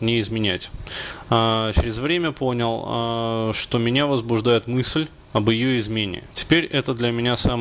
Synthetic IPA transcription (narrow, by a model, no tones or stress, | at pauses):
nʲɪɪzmʲɪnʲætʲat͡ɕɾʲɪzvɾʲemʲəpo̞nʲɪlˠ | ʂt̪o̞mʲɪnʲavəzbʊʐd̪ajɪt̪mɨsʲlʲ | əbɪjoɪzmʲenʲɪ̰tʲɪ̥pʲeɾʲɛt̪əd̪lʲəmʲɪnʲasam